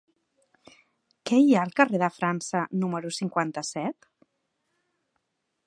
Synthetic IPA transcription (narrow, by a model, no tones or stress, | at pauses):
kɛiaəlˠkəreðəfɾansənuməɾusiŋkwant̪əsɛt̪